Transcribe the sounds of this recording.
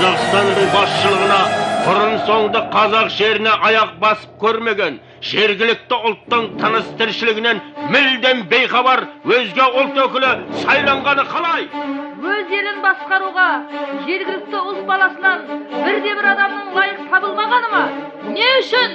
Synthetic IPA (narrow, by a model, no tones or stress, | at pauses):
ɑzɑqst̪ɑnːəɴbɑsʃəlˠəʁənɑbʊɾənso̞ɴd̪əqʰɑzɑqʒe̞ɾɪne̞ʔɑjɑq̚bɑsə̥p̚kʲʰɵɾme̞ɡʲe̞n | ʒe̞ɾɡʲɪlɪk̚t̪ɪʊlˠt̪ːəɴt̪ʰənəst̪ʰɪɾʃɪlɪɡʲɪne̞nmɪld̪e̞mbe̞jχɑbɑɾwɵzɡʲe̞ʊlˠt̪wɵkʲɪlɪsɑjlˠɑɴʁɑnəqʰɑlˠɑjwɵze̞lɪnbɑsqɑɾuʁɑʒe̞ɾɡʲɪlɪk̚t̪ɪʊlˠt̪̚bɑlˠɑsənɑnbɪɾd̪e̞bɪɾɑd̪ɑmnəɴlˠɑjəqt̪ʰɑbəlˠmɑʁɑnəmɑ | neʏʃɪn